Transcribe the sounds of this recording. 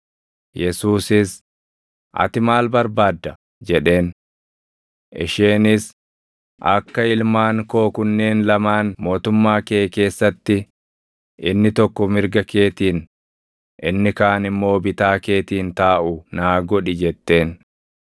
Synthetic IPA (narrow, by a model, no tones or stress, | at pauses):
jɛsuːsɪs | ʔɐ̰t̪ɪmaːlbɐɾbaːd̪ːɐ | d͡ʒɛᶑe̞ːn | ʔɪʃeːnɪs | ʔɐkːɐɪlmaːŋkoːkʊnːe̞ːnlɐmaːnmo̞ːt̪ʊmːaːke̞ːke̞ːsːɐt̪ːɪ | ʔɪnːɪt̪ɔkːɔmɪɾɡɐke̞ːt̪iːn | ʔɪnːɪkaːnɪmːo̞ːbɪt̪aːke̞ːt̪iːnt̪aːʔʊnaːɡɔᶑɪd͡ʒɛt̪ːe̞ːn